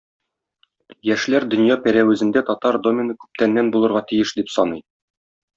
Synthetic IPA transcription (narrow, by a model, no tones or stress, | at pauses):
jæʃlæɾd̪ɵ̆njɑpæɾæwɘ̆zɘ̆nd̪æt̪ɒt̪ɑɾd̪o̞mʲɪnɤkʉ̥p̚t̪ænːænbulˠɤ̆ɾʁɑt̪ijɘʃd̪ipsɒnɤj